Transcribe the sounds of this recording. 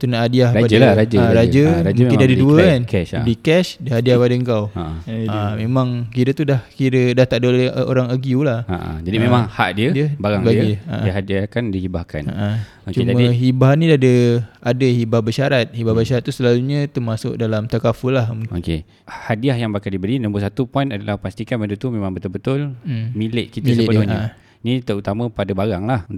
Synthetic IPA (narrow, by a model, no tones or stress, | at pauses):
t̪unaʔadiahɾapadaaɾad͡ʒəaɾad͡ʒəɾam̃kɪndiadəduəkanɛ̰dikɛʃdiəɦadiahpadəəŋkawaʔamemãŋkiɾət̪udahkiɾədaht̪aʔdəolɛo̰ɾaŋəɡiulahaʔa̰d͡ʒadimemaŋhaʔdiədiəbaɾaŋbaa̰ʔiɦadiakandihibahka̰na̰ʔa | okt͡ʃuemd͡ʒaəiɦibaɦnidadəadahibabəʃaɾat̪̚hibabəʃaɾat̪̚ːusəlaluɲə̃t̪əmasʊk̚dalamt̪akafəlahoke | hadiahjaŋbakaldibəɾinəmbusat̪upɔinadalahpast̪ikanbəndut̪umẽmãŋbət̪ʊlbət̪ʊlmilɪʔkitmaislsəebəlʊɲaə | nit̪əut̪amə̃padabaɾaŋlah